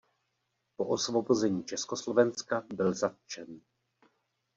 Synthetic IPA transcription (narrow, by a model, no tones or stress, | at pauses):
poʔosvobozɛɲiːt͡ʃɛskoslo̞vɛnskabɪlzat̪̚t͡ʃɛn